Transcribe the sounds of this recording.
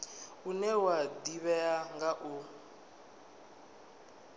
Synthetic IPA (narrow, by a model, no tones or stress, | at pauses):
unɛwad̪iβɛaŋɡaʔu